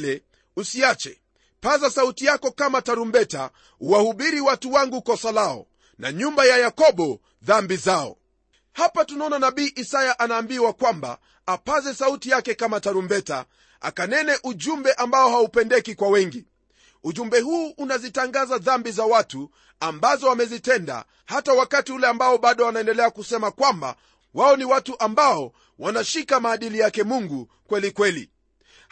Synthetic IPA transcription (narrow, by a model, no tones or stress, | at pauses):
lɛ | usiat͡ʃɛ̰ | pazasautijakɔkamataɾumbɛta̰ | uwahuɓiɾiwatuwaŋɡukɔsalaɔ̰ | na̰ɲumbajajakɔɓɔ | ðambizaɔ̰ | hapatunaɔnanaɓiːʔisajaʔanaːmbiwakwamba̰ | apazɛsautijakɛkamataɾumbɛta̰ | a̰kanɛnɛʔuʄumbɛʔambaɔhaupɛndɛkikwawɛŋɡi | uʄumbɛhuːʔunazitaŋɡazaðambizawatu | ambazɔamɛzitɛnda̰ | hatawakatiulɛambaɔɓaɗɔanaɛndɛlɛakusɛmakwamba̰ | waɔniwatuʔambaɔ | wanaʃikamaːɗilijakɛmuŋɡu | kwɛlikwɛlḭ